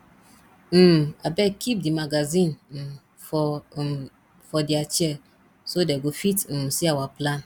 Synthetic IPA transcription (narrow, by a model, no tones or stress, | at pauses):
m̩a̰bɛkʰip̚dimaɡazĩnm̩ | fɔ | fɔdiat͡ʃɛ | sodɛɡofitn̩siawaplãn